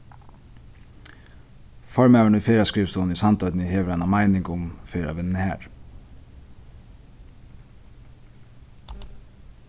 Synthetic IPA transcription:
fɔɹmæːʋəɳufeːɾaskɾiːʋst̪uːnisɑnt̪œʏd̪nəheːʋəɾæɪnamæɪnɪŋkʊmfeːɾa̰ʋɪnːəhæ̰ːɹ

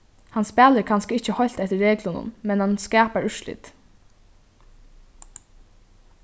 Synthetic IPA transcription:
hanspæːləɾkʰanskəɪt͡ɕːəhɔjl̥t̪ɛht̪əːeːklʊnʊ̰nmɛnhanskɛːpaɹʏʃlɪ̰ːt̪

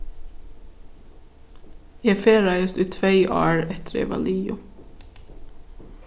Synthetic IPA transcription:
jæːfeːɾɑɪəst̪ʉːt̪ʰʋeɪʔɑ̰ːɹɛt̪ʰəɾjḛːʋɑ̰liːʊ

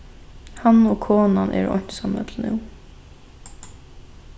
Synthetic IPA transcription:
hanɔkʰoːnanʔɛ̰ːɾʔɔ̰ɲ̥t̪sanɛ̰t̪ʰlnṵw

